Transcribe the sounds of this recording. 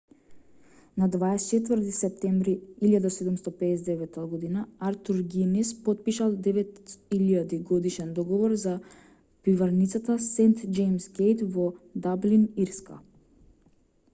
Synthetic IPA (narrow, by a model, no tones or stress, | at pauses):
nad̪vaɛst͡ʃɛt̪vəɾt̪isɛp̚t̪ɛmbɾiiljad̪asɛd̪umst̪ɔpɛːsd̪ɛvɛt̪ːaɡɔd̪inaaɾt̪uɾɡinispɔt̪̚piʃalˠd̪ɛvɛt̪iljad̪iɡɔd̪iʃɛnd̪ɔɡɔvɔɾza | pivaɾnit̪sat̪asɛnt̪d͡ʒɛjmsɡejt̪vɔd̪abliniɾska̰